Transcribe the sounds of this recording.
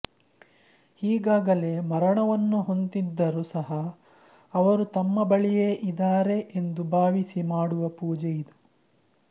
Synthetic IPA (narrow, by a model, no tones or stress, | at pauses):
hiːɡaːɡɐle̞ːmɐɾɐɳɐʋɐnːuɦo̞nt̪id̪ːɐɾusɐɦɐː | ʋɐɾut̪ɐmːɐbɐɭijeʔid̪aːɾe̞ʔend̪ubʱaːʋisimaːɽuʋɐpuːd͡ʒejid̪u